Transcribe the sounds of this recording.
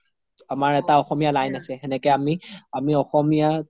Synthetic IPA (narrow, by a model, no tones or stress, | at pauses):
amaɹɛtaɔxɔmijalajnasɛxɛnɛkɛamiamiɔxɔmija